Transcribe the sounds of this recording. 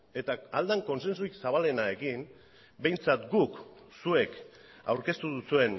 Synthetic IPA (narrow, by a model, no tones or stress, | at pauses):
e̞t̪aald̪aŋko̞nse̞nsuiksaβ̞ale̞nae̞ɣim | be̞jnt͡sat̪ɡuk | sue̞k | a̰wɾke̞st̪uðusue̞n